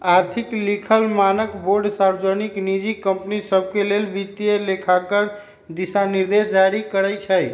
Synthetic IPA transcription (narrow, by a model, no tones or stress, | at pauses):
aɾt̪ʰiklikʰəlmanəkboɾɖsaɾd͡ʒəniknid͡ʒikəmpnisəb̚kelelbit̪ijelekʰakəɾ | d̪isaniɾd̪esd͡ʒaɾikəɾəjt͡ʃʰəj